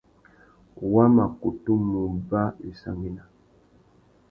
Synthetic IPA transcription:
wa˦ma˨ku˨tu˦mu˨ba˦e˨sa̰˨ŋi˦na˨

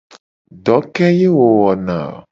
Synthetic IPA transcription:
ɖɔ˨˦kɛ˦je˦wo˨wɔ˨nã̰˨

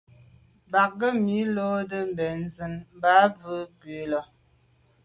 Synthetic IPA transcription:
ba˨k̚ɡə˦mi˨˦lo˦də˦m̩˨bɛ˨n̩˨zə˨nm̩˦ba˦və˦ɡwe˨˦lɔ˨

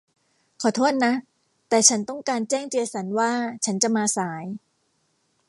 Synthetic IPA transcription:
kʰɔː˨˩t̪ʰuː˥˩t̪̚na˦˥ | t̪ɛː˨˩t͡ɕʰa˦˥nt̪ɔ˥˩ŋkaː˧nt͡ɕɛː˥˩ŋt͡ɕi˧sa˩˦nwaː˥˩t͡ɕʰa˦˥nt͡ɕa˨˩ʔmaː˧saː˩˦j

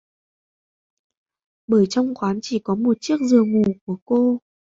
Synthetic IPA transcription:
ɓəː˧˩jt͡ɕɔ˧wŋ͡mxwaː˨˦nt͡ɕi˧˩kɔ˨˦mo˨˩t̚t͡ɕi˦˥ək̚zɨ˨˩əŋu˨˩ku˧˩əko˧

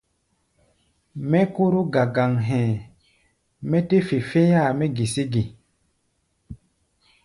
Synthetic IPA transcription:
mɛ˦ku˦ɾu˦ɡa˨ɡa˨ŋɦɛ̃˨ | mɛ˦te˦fi˨fe˦ja˦˨mɛ˦ɡi˨si˦ɡi˨

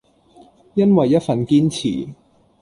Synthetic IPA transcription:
jɐ˥nwɐ˨jːɐ˥t̚fɐ˨nkiː˥nt͡sʰḭː˨˩

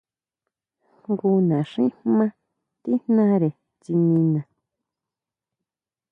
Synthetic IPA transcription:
ŋɡu˧nã˨ʂĩ˦mã˦ | t̪i˦nnã˦ɾe˨ | t͡ʃi˧nĩ˧nã˨

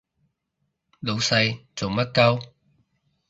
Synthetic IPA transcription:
lo˨˧wsɐ˧jt͡so˨wmɐ˥t̚kɐ˥w

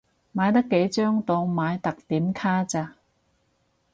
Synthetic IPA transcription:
maː˨˧jt̪ɐ˥kːe˨˥jt͡ʃœː˥ŋt̪o˧wmaː˨˧jt̪ɐ˨k̚t̪iː˨˥mkʰaː˥t͡saː˧

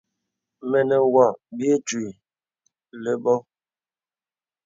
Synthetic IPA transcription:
me˨ne˨wa˨bi˦e˦t͡ʃwi˨ | le˦bɔ˦

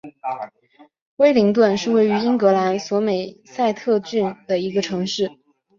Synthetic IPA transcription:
we˥ɪli˧˥ŋt̪̬wə˥˧nʂɻ̩˥˧we˥˩ɪy˧˥i˥ŋkɤ˧˥la˧˥nswɔ˧˥me˨˩ɪ | sa˥˧ɪt̪ʰɤ˥˧t͡ɕy˥˩nd̪ə˩i˧˥ɡə˧ʈ͡ʂʰɤ˧˥ŋʂɻ̩˥˩

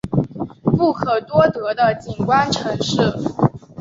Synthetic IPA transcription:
pu˥˩kʰɤ˨˩t̪wɔ˥t̪ɤ˧˥d̪ə˧t͡ɕi˨˩nkwa˥nʈ͡ʂʰɤ˧˥ŋʂɻ̩˥˩

